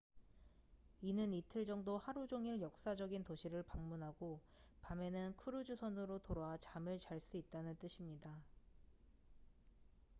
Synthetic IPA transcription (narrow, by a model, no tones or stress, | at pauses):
inɯnitʰɯɭd͡ʑʌŋdohaɾud͡ʑoŋiɭjʌk̚s͈ad͡ʑʌɡintoɕʰiɾɯɭpaŋmunɦaɡo | pame̞nɯnkʰuɾud͡ʑusʰʌnɯɾotoɾaat͡ɕamɯɭt͡ɕaɭs͈uit̚t͈anɯnt͈ɯɕʰimɲida